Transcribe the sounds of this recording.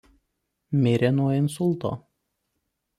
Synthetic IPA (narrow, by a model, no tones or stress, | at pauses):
mʲɪɾʲenuɔɪnsʊlˠt̪o̰ː